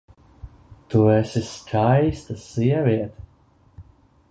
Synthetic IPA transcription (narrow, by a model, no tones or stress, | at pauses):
t̪uɛsiskʰajst̪asiɛvʲiɛt̪